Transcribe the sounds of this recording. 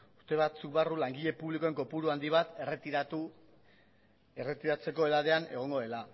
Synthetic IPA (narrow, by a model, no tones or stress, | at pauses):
u̥st̪e̞βat͡suk̚barulaŋɡiʎe̞puβliko̞e̞ŋko̞puɾuand̪iβat̪u | ere̞t̪iɾat͡se̞ko̞e̞laðe̞ane̞̰ɣ̞o̞ŋɡo̞ðe̞la